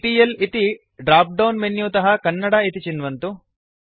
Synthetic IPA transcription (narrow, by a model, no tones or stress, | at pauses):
ʈiːjɐlit̪i | ɖɾaːp̚ɖɐwnmenjuːt̪ɐɦɐkɐnːɐɽɐit̪it͡ʃinʋɐnt̪u